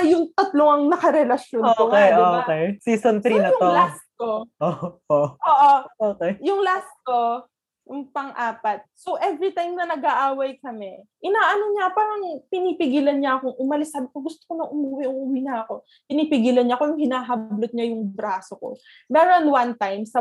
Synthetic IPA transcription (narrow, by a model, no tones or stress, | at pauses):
ɐjʊŋt̪ɐt̪loŋɐŋnɐkɐɾɛlɐʃjonookejsiːsont̪ɾinɐjʊolas̚ko̞ʔooʔʔoːʔo̞ʔoːkejjʊŋlast̪̚ko̞ | jʊŋpɐŋʔaːpɐt̪̚sowʔɛvɾit̪ajmnɐnɐɡaʔaːwɐjkɐmɛʔɪnaːʔɐnoɲapaːɾɐŋpɪniːpɪɡiːlɐnɲɐʔɐkoŋʔʊmɐlɪsːaːbɪkoɡʊst̪o̥konɐŋʔʊmuwɪʔʊŋʔʊwinɐʔɐko̞ | pɪniːpɪɡiːlɐnɲɐko̞jʊŋhɪnaːɦɐblot̪̚ɲajʊŋbɾaːsoko̞̰ | mɛːɾo̞nwant̪ajmsɐ